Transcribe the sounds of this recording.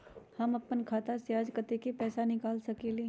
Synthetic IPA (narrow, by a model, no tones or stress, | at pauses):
hɐmɐpːənkʰaːt̪asjaːd͡ʒkət̪ekepɛːsanɪkaːlsɐkeleː